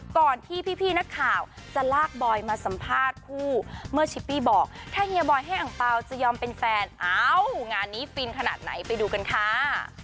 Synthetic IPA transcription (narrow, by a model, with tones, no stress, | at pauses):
kɔː˨˩nt̪ʰiː˥˩pʰiː˥˩pʰiː˥˩na˦˥kʰːaː˨˩wt͡ɕa˨˩laː˥˩k̚bɔː˧jmaː˧sa˩˦mpʰaː˥˩t̪̚kʰuː˥˩mɯ˥˩ɐt͡ɕʰi˦˥p̚pːiː˥˩bɔː˨˩k̚t̪ʰaː˥˩ŋi˧bɔː˧jɦa˥˩jʔa˨˩ŋfa˧wt͡ɕa˨˩jɔː˧mpe˧nfɛː˧nʔaː˨˥wŋaː˧nːiː˦˥fi˧nkʰa˧na̰ː˨˩t̪̚na̰˩˦jpa˧jduː˧ka˧nkʰaː˥˩